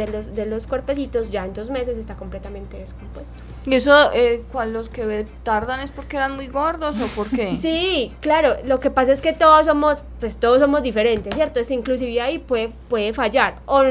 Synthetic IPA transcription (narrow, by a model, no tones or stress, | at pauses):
elosd̪elo̞skweɾpe̞sit̪o̞zd͡ʒaent̪ozme̞sesest̪ako̞mple̞t̪amẽ̞nt̪e̞ðesko̞mpwest̪oie̞soekwanloskeβet̪aɾðanespoɾkeeɾanmujɡoɾðosopoɾkkesiklaɾolo̞ke̞pas̬ae̞ske̞t̪oðos̬o̞mo̞s | pwe̞st̪o̞ðos̬ːo̞mozd̪ife̞ɾe̞nt̪e̞sje̞ɾt̪oest̪eiŋklus̬iβjeaipweðepwe̞ðe̞faʝaɾo